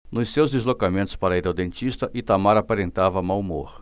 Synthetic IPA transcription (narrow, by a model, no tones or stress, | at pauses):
nʊssewzd̪ezlokamẽnt̪ʊ̥spaɾɐiɾawd̪ẽnt͡ʃ̪ist̪ɐʔɪt̪amaɾapaɾẽnt̪avɐmawmo̰ɾ